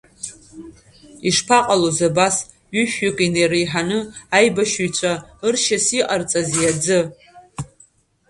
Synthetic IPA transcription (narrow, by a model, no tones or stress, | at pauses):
iʂpʰaqʼalozabas | ɥʏʃakʼinejrejħanɨajbaʃujt͡ʃʷʰʼaɨrʃasiqʼart͡sʼazjad͡zɨ